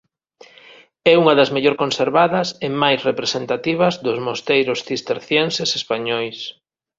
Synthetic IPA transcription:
ɛuŋɐðɐzmeʎoɾkonseɾβaðɐsemajsrepɾesent̪at̪iβ̞ɐzðʊzmost̪ejɾʊsθist̪eɾθjensesespaɲɔjs

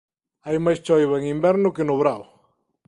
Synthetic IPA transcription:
ajmajst͡ʃojβaŋimbeɾnʊkenoβɾaw

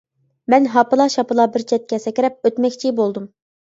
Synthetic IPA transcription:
mɛnɦɑpɨlˠɑʃɑpɨlˠɑbɪɾt͡ʃʰɛt̪̚kʲɛsɛkʲɪɾɛp̚øt̪mɛkʲt͡ʃʰibolˠd̪um

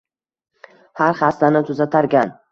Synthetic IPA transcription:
haɾχast̪anɪt̪ʰʊzat̪ʰaɾɡʲan

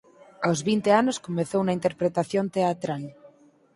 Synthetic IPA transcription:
awzβint̪eanoskomeθownaint̪eɾpɾet̪aθjont̪eat̪ɾal

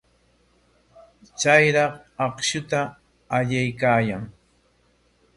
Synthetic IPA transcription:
t͡sajɾɑqɑχʃʊt̪aː | ʎajkaːjaŋ

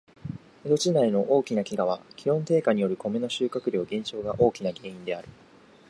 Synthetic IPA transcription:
ed̪o̞t͡ɕinaino̞ʔo̞ːkʲinakʲiɡaβ̞akʲʰiɾõ̞nt̪e̞ːkaɲ̟ijo̞ɾɯ̟ko̞meno̞ɕɨːkakɯ̟ɾʲo̞ːɡẽ̞ɲ̃t͡ɕo̞ːɡaʔo̞ːkʲinaɡẽ̞ːĩnd̪e̞aɾɯ̟

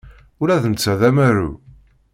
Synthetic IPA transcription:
ʊɾæθənt͡sːæðæmæɾṵ

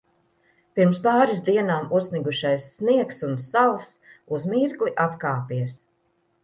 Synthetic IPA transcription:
piɾmspaːɾisd̪iɛnaːmusniɡuʃajsːniɛksunsalˠsuzmiɾkliʔat̪kaːpiɛs

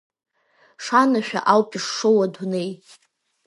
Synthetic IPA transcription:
ʂanaʃᶣa̰ʔawpʼiʂʂowadnej

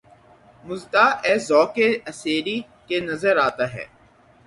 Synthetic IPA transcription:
mʊzt̪aʔɛːzɔːkeɐseːɾi | kenɐzəɾaːt̪aɦɛ̰ː

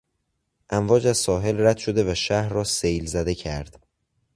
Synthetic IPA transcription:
ʔæmvɒːd͡ʒæzsɒːɦe̞lræd̪̥ʃo̞d̪e̞væʃæhɾɾɒːsejlzæd̪e̞cʰæɾd̪̥

